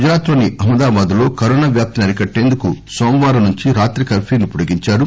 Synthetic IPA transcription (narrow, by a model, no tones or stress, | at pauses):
ud͡ʒɐɾaːt̪ɾɐniʔɐmɐd̪aːbaːd̪ulo̞ːkɐɾoːnaːʋjaːp̚t̪ɐnɐɾikɐʈːe̞ːnd̪ukusoːmʋaːɾɐnuɲt͡ʃiɾaːt̪ɾikɐpʰiːnipuɽɐɡiɲt͡ʃaːɾu